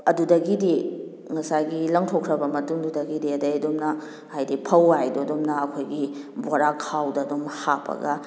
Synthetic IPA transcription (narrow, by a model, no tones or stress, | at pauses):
ɐdudɐɡidi | ŋɐsajɡilɐŋtʰokʰɾɐbɐmɐtuŋdudɐɡidiɐdɐjdomnɐ | hajdipʰɐwajdoɐdomnɐɐkʰojɡibaɾakʰawdɐɐdomhapʰɐ̰ɡɐ